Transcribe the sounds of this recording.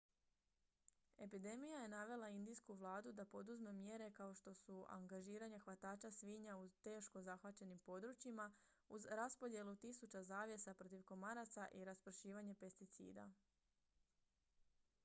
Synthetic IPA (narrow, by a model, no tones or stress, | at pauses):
e̞pid̪e̞mijaje̞naʋe̞lˠaind̪ijskuʋlˠaːd̪ud̪apo̞d̪uzme̞mje̞ɾe̞kao̞ʃt̪o̞sua̰ŋɡaʒiːɾaɲaxʋat̪aːt͡ʃasʋiːɲaut̪e̞ːʃko̞zaxʋat͡ɕe̞nimpo̞d̪ɾut͡ʃima | uzɾaspo̞d̪je̞lut̪isut͡ɕazaːʋje̞sapɾo̞t̪iʋko̞maɾat̪saʔiɾaspɾ̩ʃiːʋaɲe̞pe̞st̪it̪sḭːd̪a̰